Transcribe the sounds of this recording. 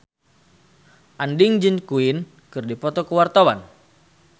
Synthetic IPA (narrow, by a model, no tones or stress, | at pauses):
ʔandiŋd͡ʒɨnkuin | kɨrdipɔt̪ɔkəwart̪awan